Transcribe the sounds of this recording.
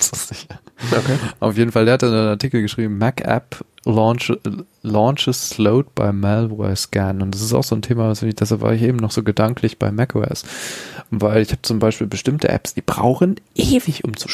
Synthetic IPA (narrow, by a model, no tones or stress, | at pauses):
sz̥ɪçɐokeʔaʊfjeːdn̩faldeːhatːnaɪnaɐtʰiːkl̩ɡəʃʁ̥iːbm̩mɛkʔɛ̰plɔːnt͡ʃə | lɔːnʃəsloʊt̚b̥a̰ɪmɛlbʁɔ̰ɪskɛnʊntd̥as̬ɪsta̰ʊxz̥oːntʰeːmavasfɪɪçd̥ɛshalpv̥a̰ːɐɪç̬ʔeːbm̩nɔχz̥oːɡədaŋkʰlɪçb̥a̰ɪmɛkʰo̰ɛ̰s | vaɪlɪçhaːbət͡sʊmbaɪʃpiːlbəʃtɪmtʰəʔɛ̰psd̥iːbʁa̰ʊxənʔeːvɪçʔʊmt͡su̥